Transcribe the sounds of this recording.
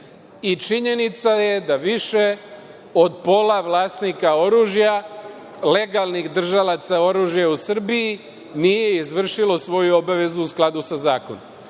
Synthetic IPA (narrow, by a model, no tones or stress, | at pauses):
it͡ʃiɲe̞nit̪saje̞d̪aʋiʃe̞ | od̪po̞laʋlaːsnikao̞ɾuːʒja | le̞ɡalˠnixd̪r̩ʒalat̪sao̞ɾuːʒjausr̩bii | nije̞izʋr̩ʃilo̞sʋo̞juo̞baʋe̞zuːusklˠad̪usazaːkonom